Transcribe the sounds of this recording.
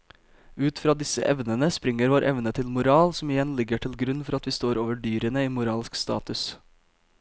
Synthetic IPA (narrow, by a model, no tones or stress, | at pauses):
ʉːt̪fɾɑːd̪ɪsə̰ʔɛʋnənəspɾɪŋəɾʋoːɾʔɛʋnət̪ʰɪlmʊɾɑːlsɔm̩ɪjɛnlɪɡəʈʰɪlɡɾʉnfɔɾɑt̪ʋiːst̪oːɾoːʋəɖyːɾənəiːmʊɾɑːlskst̪ɑ̰ːt̪ʉs